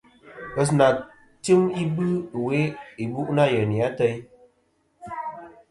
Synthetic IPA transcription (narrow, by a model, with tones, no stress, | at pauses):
ə˨s̬na˨ | tɨ˦mi˦bɨ˦˨we˦i˨bu˦ʔna˦˨jə˨ni˨a˦tə˦j